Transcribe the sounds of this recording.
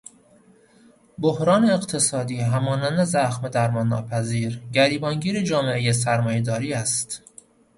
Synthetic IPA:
bohɾɒːneːqt̪ʰe̞sɒːd̪iːɦæmɒːnænd̪e̞zæxmed̪æɾmɒːnːɒ̰ːpʰæziːɾɟæɾiːbɒːŋɟiːɾed͡ʒɒːme̞ʔejes̬æɾmɒːjed̪ɒːɾiːæst̪

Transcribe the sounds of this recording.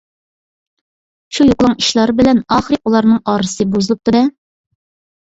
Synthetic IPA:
ʃujuqlˠɑŋiʃlˠɑɾɨbɪlɛnɑχɨɾɨulˠɑɾnɨŋɑːɾɨsɨbuzɨlˠɨp̚t̪ɨd̪ɛ

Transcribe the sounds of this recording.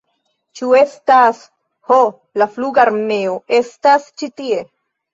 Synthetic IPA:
t͡ʃue̞stas | ho | lafluɡaɾmne̞oʔe̞stast͡ʃitie̞

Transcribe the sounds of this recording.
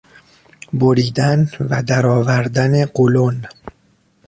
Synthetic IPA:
boɾiːd̪ænvæd̪æɾɒːvæɾd̪æneɢolon

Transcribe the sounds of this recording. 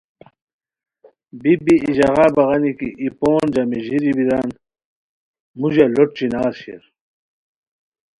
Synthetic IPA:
bibiːʑɐʁaːbɐʁɐnikiʔipoːnd͡ʑamiʑiɾibiɾaːn | mud͡ʑaloʈt͡ɕinaːɾɕḛɾ

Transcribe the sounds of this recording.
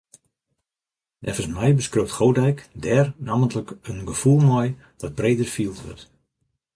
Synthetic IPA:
nʔɛ̰fərsmɛjbəskrøp̚tχowdɛjkdɛːrnaːməntələkənɡəfulˠmɔj | d̥ɔd̚breːdərfiəlˠtʋø̰rt

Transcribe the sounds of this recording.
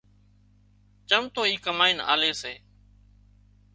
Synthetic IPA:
t͡ʃəmt̪oːiːkəmaːiːna̰ːleːseː

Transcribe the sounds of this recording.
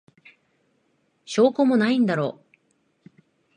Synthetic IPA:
ɕo̞ːkomonaĩnd̪aɾo̞̰ː

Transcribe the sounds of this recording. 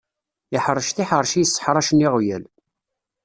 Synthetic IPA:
ɪħɾˤːəʃθiħəɾˤʃijəsːə̥ħɾˤɑʃniʁjæl

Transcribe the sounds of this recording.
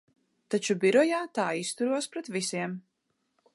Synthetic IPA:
t̪at͡ʃubiɾɔjaːt̪aːist̪uɾuɔspɾɛt̪visiɛm

